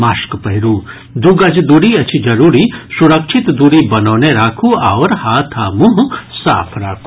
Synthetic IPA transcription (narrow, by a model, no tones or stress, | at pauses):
maːʃkpɐɦɾuː | d̪uɡɐd͡ʒd̪uɾiɐt͡ʃʰid͡ʒɐɾuːɾisuɾɐkʃʰɪt̪d̪uɾibɐnoːneɾaːkʰuaːʋɾhaːt̪ʰaːmuɦsa̰ːpʰɾaːkʰu̥